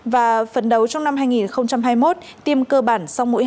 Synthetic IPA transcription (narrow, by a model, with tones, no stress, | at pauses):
vaː˨˩fə˨˩nɗə˨˦wt͡ɕɔ˧wŋ͡mna˧mhaː˧jŋi˨˩nxə˧wŋ͡mt͡ɕa˧mɦaː˧jmo˦˥t̚t̪i˧əmkəː˧ɓaː˧˩nsa˧wmo̰˧˥j